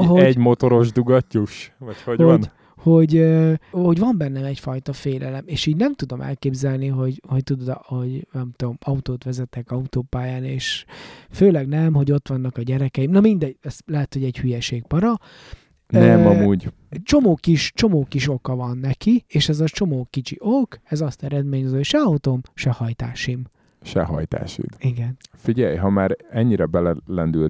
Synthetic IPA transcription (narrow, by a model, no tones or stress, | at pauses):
ɦoɛɟmo̞t̪o̞ɾo̞ʒd̪uɡɒcːuʃʋɒchoɟhon | ho̞ɟøho̞ɟvɒmbɛnːɛmɛcfɒjt̪ɒfeːlɛlɛmeːʃiːɟnɛmt̪ud̪o̞mʔɛ̰lkeːbzɛlniɦo̞ɟho̞ct̪ud̪od̪ho̞ɟnɛmt̪omɒut̪oːt̪ʋɛzɛt̪ːɛkɒut̪oːpaːjaːneːʃføːlɛɡnɛmɦo̞ɟo̞t̪ʋɒnːɒkɒɟɛɾɛkɛjimnɒmind̪ɛɟɛslɛɦɛt̪ho̞ɟɛɟhyjɛʃeːɡ̚pɒɾɒ | nɛmɒmuːɟ | ɛt͡ʃo̞moːkiʃt͡ʃo̞moːkiʃo̞kɒvɒnːɛkieːʃɛzɒt͡ʃo̞moːkit͡ʃiʔokɛzɒst̪ɛɾɛd̪meːɲozocʃɛɒut̪omʃɛhɒjt̪aːʃim | ʃɛ̰ɦɒ̰jt̪a̰ːʃḭd̪iɡɛnfiɟɛjɦɒmaːɾɛɲːiɾɛbɛlɛlɛnd̪yl